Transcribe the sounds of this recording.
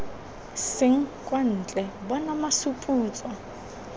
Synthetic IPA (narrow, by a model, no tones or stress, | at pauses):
sɪŋ̩kʼwan̩ːt͡ɬʼɛbɔnamasupʼuːt͡sʼwa